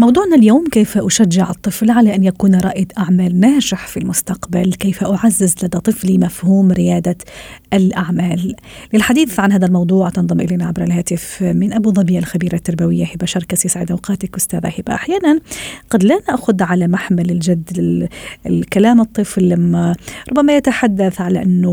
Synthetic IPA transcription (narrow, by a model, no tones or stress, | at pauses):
mɑwd̪ˤuːʕnaljoːmkeːfaʔʊʃaʒːɪʕɨt̪ˤːɨflʕalaʔanjakuːnɾˤɑʔjɪd̪ʔaʕmaːlnaːʒɪħfilmʊst̪aqbalkeːfaʔʊʕazːɪzlad̪at̪ˤɨflimafhuːmɾɪjaːd̪aʔalʔaʕmaːlː | ɪlħad̪iːθʕanhaːd̪almɑwd̪ˤuːʕt̪ɑnðˤɑmʔɪleːnaʕabɾˤalhaːt̪ɪfmɪnʔabuðˤɑbiːʔalxabiːɾat̪ːɑɾˤbawɪjːahɪbaʃɑɾˤkasjɪsʕɪd̪ʔawqɑːt̪akʔʊst̪aːða̰hɪba̰ʔaħjaːnanɡɑd̪lanaʔxʊd̪ʕalamaħmalɪld͡ʒad̪ːɪɪkalaːmɨt̪ˤːɨflːamːaɾˤʊbːamajat̪aħad̪ːaθʕalaʔanːʊ